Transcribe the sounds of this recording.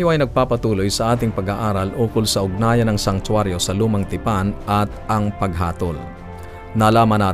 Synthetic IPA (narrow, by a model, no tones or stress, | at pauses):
joʔɐjnɐɡ̚paːpɐt̪uːlo̞jsɐʔaːt̪ɪŋpɐɡaʔaːɾɐlʔoːkʊlsɐʔʊɡ̚naːjɐnɐŋsɐŋt̪waɾjo̞sɐluːmɐŋt̪ɪpanʔɐt̪̚ɐŋpɐɡ̚ɦaːt̪ol | nɐlaːmɐnaː